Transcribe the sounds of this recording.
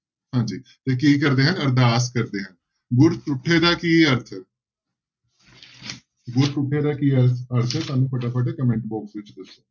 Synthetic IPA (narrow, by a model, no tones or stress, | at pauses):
ɦãːɲd͡ʒiːt̪eːk̬iːk̬əɾd̪eːɦənəɾd̪aːskəɾd̪eːɦən | ɡʊɾt̪ʊʈʰːeːd̪aːkiːəɾt̪ʰəɾ | ɡʊɾt̪ʊʈʰːeːd̪aːkiːəəɾt̪ʰəɾt̪aːnũːpʰəʈaːpʰəʈ̬eːkəmɛ̃ɳʈbɔːksʋɪt͡ʃd̪əsːoː